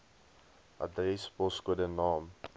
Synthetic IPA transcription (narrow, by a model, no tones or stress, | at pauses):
ʔɐ̰drɛspɔskuədənɑːm